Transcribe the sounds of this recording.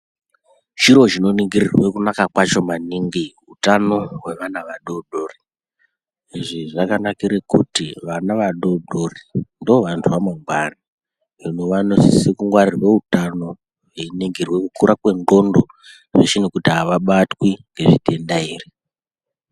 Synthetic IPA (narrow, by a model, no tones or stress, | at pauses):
ʃiɾo̞ʒino̞niŋɡirirwe̞kunakakwat͡ʃo̞maniŋɡi | utano̞we̞ʋanaʋaɗo̞ɗo̞ri | iʐiʐakanakiɾekutiʋanaʋaɗo̞ɗorindioʋantʰuʋamweŋɡwana | inoʋanossekuŋɡwarirwe̞utano̞ | weniŋɡirwe̞kukuɾʔakwe̞ndo̞ndo | ʐeʃinekutiɦaʋaɓatwiŋɡe̞ʐḭtʰe̞ndaiːri